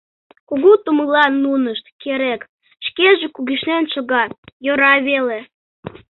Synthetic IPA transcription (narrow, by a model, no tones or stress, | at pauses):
kuɣut̪uməlɑnːunəʃt̪keɾek | ʃkeʒĕkuɣiʃnenʃoɣɑjoɾɑβele